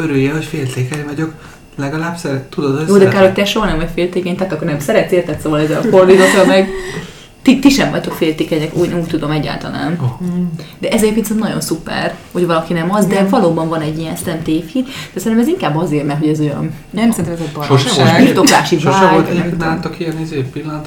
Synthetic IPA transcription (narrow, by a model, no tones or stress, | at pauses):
øɾøjɛɦocfeːlt̪eːkɛɲvɒɟo̞k | lɛɡɒlaːbsɛɾt̪ud̪od̪joːd̪ɛkaɾrhoc̚t̪ɛʃo̞ɦɒnɛmvɒɟfeːlt̪eːkɛɲt̪akːikːornɛmsɛɾɛt̪seːrt̪ɛt̪soːvɒlɛzːɛlɒfo̞rd̪izokːɒlmɛɡ | t̪it̪iʃɛmvɒ̰ct̪okfeːlt̪eːkɛɲɛkuːɟnɛuːc̚t̪ud̪o̞mɛɟːa̰ːlt̪ɒ̰la̰ːnod̪ɛʔɛzɛɟepkensɛmnɒɟo̞̰nsupɛ̰rho̞ɟvɒlɒkinɛmɒzd̪ɛvɒloːbɒɱvɒnɛɟːijɛnsɛlɛmt̪eːfit̪d̪̥ɛsɛɾinɛmɛziŋkaːbːɒzeːrmɛrt̪ɦo̞ɟɛzojɒ̰n | nɛmsɛɾinɛmɛzɛɟbɒʃit̪okaːʃiooolt̪ɛant̪okiɛnizeːpilːɒnɔt̪